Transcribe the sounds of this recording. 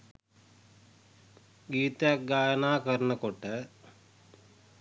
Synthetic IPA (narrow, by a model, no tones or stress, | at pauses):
ɡiːt̪aɡaːjɐnaːkɐɾnɐkoʈːɐ